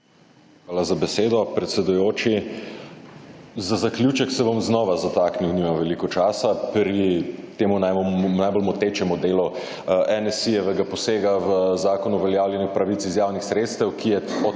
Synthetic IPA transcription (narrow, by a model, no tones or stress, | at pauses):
xʋaːlazabɛseːd̪ɔpɾɛt̪sɛd̪ujoːt͡ʃi | zazaklʲjut͡ʃɛksɛbɔmznɔːʋazat̪akniwniːmamʋɛlikɔt͡ʃaːsapɾit̪eːmunajnajbolmɔt̪eːt͡ʃɛmɔd̪eːlɔ | ʔɛnɛsijɛʋɛɡapɔseːɡaʋəzaːkɔnuʋɛljaːwljɛnixpɾaʋit̪sizjaːwnixsɾeːt̪st̪ɛwkʰijɛɔ